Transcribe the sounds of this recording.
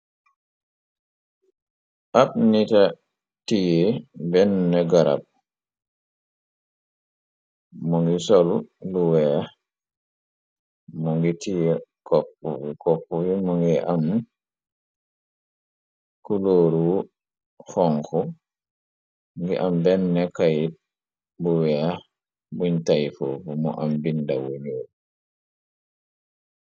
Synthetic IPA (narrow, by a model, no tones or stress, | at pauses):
ʔaɓnita | tijɛbɛnːɛɡaɾa̰b̚ | mɔŋɡisoluluwɛa | mɔŋɡitijɛkɔpːɔ̰wikɔpːɔwimɔŋɡɛʔam | kuloːɾu | fɔŋkɔ | ŋɡɛʔambɛnːɛkaj | buwɛa | buɲtajfofumɔ̰ʔambindawoɲo